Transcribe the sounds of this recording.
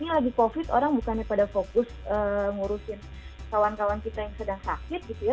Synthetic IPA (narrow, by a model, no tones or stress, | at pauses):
nilaɡikofɪt̪o̰ɾaŋbukanapadafokʊsəːŋuɾusɪn | kawankawankit̪ajaŋsədaŋsakɪt̪̚ɡit̪uja